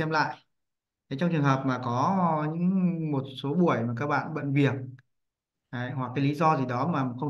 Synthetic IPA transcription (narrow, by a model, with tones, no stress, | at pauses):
ɛ˧mla̰ː˧˨j | ɗe˨˦jt͡ɕɔ˧ŋ͡mt͡ɕɨ˨˩əŋɦəː˨˩p̚maː˨˩kɔ˨˦ɲɨ̰˧˥ŋmo˨˩t̚so˨˦ɓu˧˩əjmaː˨˩kaː˦˥k̚ɓa̰ː˧˨nɓə̰˧˨nvi˨˩ət̚ | ʔə˨˦jɦwa˨˩k̚ːaː˨˦jli˨˦zɔ˧zi˨˩ɗɔ˨˦maː˨˩m˨˩xə˧wŋ͡m